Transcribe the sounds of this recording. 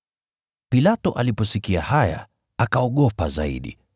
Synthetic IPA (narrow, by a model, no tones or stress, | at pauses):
pilatɔ̰ʔalipɔsikia̰haja̰ | akaɔɠɔpaza̰ḭɗḭ